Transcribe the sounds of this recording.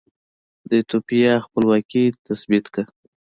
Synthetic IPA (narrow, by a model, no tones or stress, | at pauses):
d̪ət̪opijɑxpəlwɑkit̪asbit̪ka